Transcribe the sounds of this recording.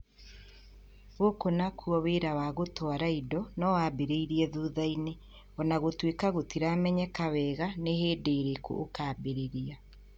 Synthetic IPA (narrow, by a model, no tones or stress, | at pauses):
ɣokonakʰuɔweɾawaɣotwaɾaidɔnɔwaːbeɾeiɾiɛðuːðaine | ɔnaɣotwekaɣotiɾamɛɲɛkawɛːɣaneheːdeɾeko̰ʔːkaːbeɾeɾia